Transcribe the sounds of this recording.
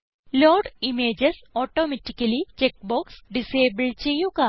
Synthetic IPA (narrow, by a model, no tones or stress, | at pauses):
loːɖimeːd͡ʑɐsoːʈːoːmetːikːɐlit͡ɕek̚boːksɖiseːbɐɭt͡ɕejːuɡa